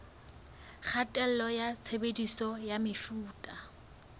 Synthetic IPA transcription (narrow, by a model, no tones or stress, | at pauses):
χʰatʼɛl̩lɔjat͡sʰebedisɔjamɪfuːtʼa